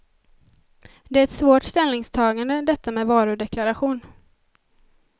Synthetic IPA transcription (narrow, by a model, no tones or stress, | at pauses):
d̪ɛæːɾɛt̪svoːʈst̪ɛlnɪŋst̪ʰɑːɡand̪əd̪ɛt̪ʰːamɛːvɑːɾɵɖ̪ɛklaɾaɧuːn